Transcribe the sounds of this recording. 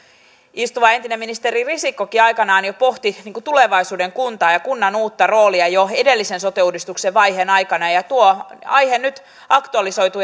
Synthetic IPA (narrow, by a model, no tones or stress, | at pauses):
ist̪uʋɑe̞nt̪inemːinist̪eririsikːokiɑjkɑnɑːnjopo̞ht̪iniːŋkut̪ule̞ʋɑjsuːde̞ŋkunt̪ɑːjɑkunːɑnuːt̪ːɑro̞ːliɑjoe̞de̞lːise̞nso̞t̪eudist̪ukseʋʋɑjɦenɑjkɑnɑjɑt̪uoɑ̰jhennyt̪ | ɑkt̪uɑliso̞jt̪u